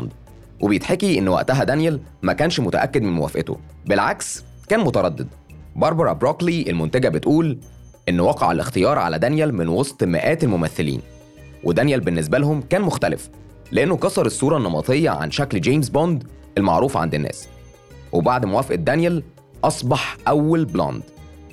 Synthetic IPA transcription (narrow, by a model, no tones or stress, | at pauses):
nd̪ | wʔebejet̪ħekiʔenːwæ̰ʔt̪æɦæd̪ænjælmækæːnʃmʊt̪æʔækːed̪menmo̰wæ̰fʔḛt̪o̰ | belʕaks | kæːnmot̪ɑɾˤɑd̪ːed̪̚ | bɑɾˤbɑɾˤɑ̰bɾokliʔelmʊnt̪æɡæbet̪ʔuːl | ʔenːwɑqɑʕa̰lʔḛxt̪ejɑːɾˤʕa̰læ̰d̪ænjælmenwɑsˤt̪ˤmæ̰ʔæːt̪elmomæθːelḭːn | wʔed̪ænjælbenːes̬bælhomkæːnmoxt̪ælɪ̰f | leʔenːokɑsˤɑɾˤesˤːuːɾˤɑnːɑmɑ̰t̪ˤejːɑ̰ʕa̰nʃækld͡ʒejms̬bond̪ | ʔelmɑ̰ʕɾuːfʕa̰nd̪enːæ̰ːs | wʔebaʕd̪mowæːfʔæd̪ːænjæl | ʔɑsˤbɑħʔæwːælblɑ̰nd̪